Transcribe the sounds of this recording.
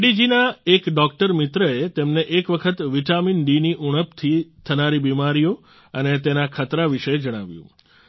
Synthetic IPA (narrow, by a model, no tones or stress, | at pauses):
ɽid͡ʒinaekɖɔk̚ʈəɾmɪt̪ɾəet̪emneʔekʋəkʰət̪ʋiʈaminɖiniʔuɽ̃əpt̪ʰit̪ʰənaɾibimaɾijo | ənet̪enakʰət̪ɾaʋiʃəd͡ʒəɽ̃aʋjṵ̃